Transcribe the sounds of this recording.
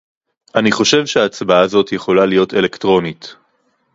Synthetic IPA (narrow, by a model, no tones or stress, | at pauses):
ʔaniχo̞ʃe̞vʃeaːt͡sbaazo̞tje̞χo̞lalijo̞te̞lektʁo̞nit